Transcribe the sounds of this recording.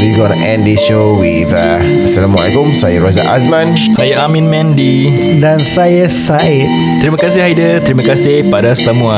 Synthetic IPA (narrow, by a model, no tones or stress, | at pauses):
wiɡõnəʔɛ̃ndisʃo | wiða | asəlamwa̰la̰kʊmsajaɾoza̰ʔas̬mãn | sajaamĩnmɛ̃ndi | dansajasa | ɪt̪̚ | t̪ɾimə̃kasɪhajdət̪ɾimə̃kasɪhpadasəmuã